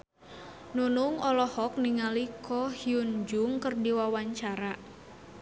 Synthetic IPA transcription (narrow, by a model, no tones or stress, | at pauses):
nunuŋɔlɔhɔk̚niŋalikʰɔhiund͡ʒʊŋkərdiwawaɲt͡ʃaɾa